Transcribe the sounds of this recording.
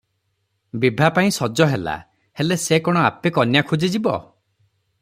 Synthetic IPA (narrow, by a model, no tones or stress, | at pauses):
bibʱapaĩsɔd͡ʒɔɦela̰ | helesekɔɽ̃ɔapekɔnjakʰud͡ʒid͡ʒibɔ̰